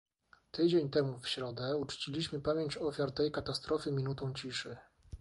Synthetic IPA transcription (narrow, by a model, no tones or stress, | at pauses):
t̪ɘd͡ʑeɲt̪ɛmufɕɾɔd̪ɛut͡ʂt͡ɕilʲiɕmɘpamʲjeɲt͡ɕɔfʲjaɾt̪ɛjkat̪ast̪ɾɔfɘmʲinut̪ɔ̃w̃t͡ɕiʂɘ